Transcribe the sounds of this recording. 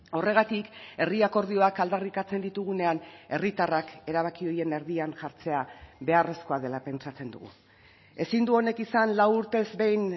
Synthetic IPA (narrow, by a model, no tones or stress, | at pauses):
ore̞ɣ̞at̪ike̞riako̞ɾð̞io̞akald̪arikat͡se̞nd̪it̪uɣ̞une̞ane̞rit̪arake̞ɾaβ̞akio̞je̞ne̞ɾðianʝaɾt͡se̞aβe̞are̞sko̞aðe̞lape̞nt͡sat͡se̞nd̪ṵɣṵ | e̞sind̪uo̞ne̞kisanlawuɾt̪e̞zbe̞jn